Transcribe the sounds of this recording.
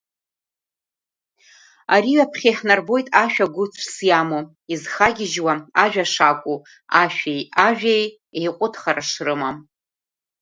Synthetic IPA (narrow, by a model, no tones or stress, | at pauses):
aɾiɥapʰχʲejħnarbo̞jtʼaʃᶣaɡʷʊt͡sʷʰsjamo | izχaɡʲɪʒwaaʒᶣaʂakʷʼu | aʃᶣejaʒᶣej | ejqʷʼʊtʰχaraʂrɨmam